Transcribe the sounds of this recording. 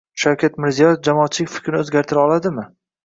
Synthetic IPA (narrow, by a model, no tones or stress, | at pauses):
ʃawkʲʰat̪mɪɾzijɒjefd͡ʒamɒːt̪̚t͡ʃʰɪlɪkʲfɪ̥kʲɾnɪozɡʲaɾt̪ʰɪɾaɒlˠad̪ɪmɪ